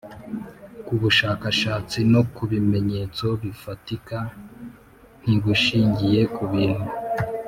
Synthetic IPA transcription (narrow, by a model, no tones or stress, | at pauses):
kuβuʃaːkaʃaːt͡sino̞kuβime̞ɲe̞t͡so̞βifatika | n̥iɡuʃiːɲɟije̞kuβiːn̥hu